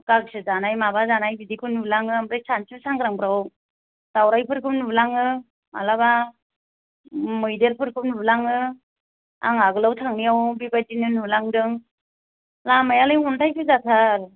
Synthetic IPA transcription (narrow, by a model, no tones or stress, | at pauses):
kaɡsɯzanajmabazanajbidikʰɯnublaŋɯamɾajsansɯsaŋɡɾaŋbɾaw | d̥awɾajpʰɯɾkʰɯpnublaŋɯ | ma̰laba | mɯjdelpʰɯɾkʰɯpnublaŋɯ | a̰ŋaɡɯlawtʰaŋnijawbibajdinɯnulaŋdɯŋ | lamajalɯjuntʰajsʰɯzatʰaɾ